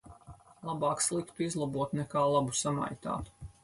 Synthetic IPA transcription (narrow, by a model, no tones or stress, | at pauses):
lˠabaːkslˠikt̪uizlˠabuɔt̪nɛkaːlˠabusama̰jt̪a̰ːt̪u̥